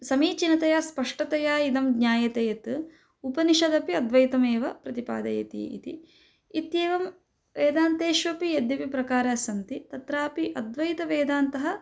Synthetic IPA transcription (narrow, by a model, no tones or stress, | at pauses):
sɐmiːt͡ʃinɐt̪ɐjaːspɐʂʈɐt̪ɐjaːid̪ɐmɡɲʲaːjɐt̪eːjɐt̪ɨ | upɐniʃɐd̪ɐpiɐd̪ʋɐjt̪ɐmeːʋɐpɾɐt̪ipa̰ːd̪ɐjɐ̰t̪ḭːḭt̪i | it̪jeːʋɐm | ʋeːd̪aːnt̪eːʃʋɐpijɐd̪jɐpipɾɐkaːɾɐsɐnt̪it̪ɐt̪ɾaːpiʔɐd̪ʋɐjt̪ɐʋeːd̪aːnt̪ɐɦɐ